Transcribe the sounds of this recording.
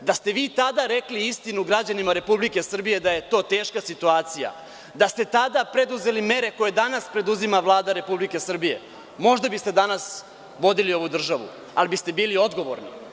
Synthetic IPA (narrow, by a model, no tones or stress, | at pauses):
d̪ast̪e̞ʋiːt̪ad̪aɾe̞kliist̪inuɡɾad͡ʑanimaɾe̞publike̞sr̩bije̞d̪aje̞t̪o̞ːt̪e̞ːʃkasit̪uaːt̪sija̰ | d̪ast̪e̞t̪ad̪apɾed̪uze̞lime̞ɾe̞ko̞je̞d̪anaspɾe̞d̪uzimaʋlˠaːd̪aɾe̞publike̞sr̩bije̞̰ | mo̞ʒd̪abist̪e̞d̪anas | ʋo̞d̪ilio̞ʋud̪r̩ʒaʋṵ | alibist̪e̞biːlio̞d̪ɡo̞ʋo̞̰ɾni